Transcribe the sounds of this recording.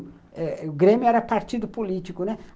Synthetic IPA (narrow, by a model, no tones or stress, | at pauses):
ɛʊɡɾẽmjʊɛɾɐpaɾt͡ʃid̪ʊpolit͡ʃikʊnɛ